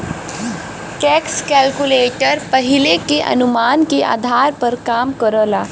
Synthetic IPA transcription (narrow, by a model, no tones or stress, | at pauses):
kɛːkskɛːlkuleːʈəɾpɐɦɪlekeʔɐ̰nʊmaːnkeʔa̰ːd̪ʱaːɾpɐɾkaːmkəɾəːlaː